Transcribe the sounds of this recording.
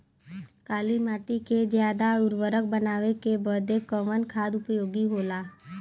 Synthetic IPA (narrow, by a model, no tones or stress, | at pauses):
kaːlimaːʈiked͡ʒjaːd̪aʊɾʋəɾək̚bənaːʋekebəd̪ekəʋənkʰaːd̪ʊpjoːɡiɦoːlaː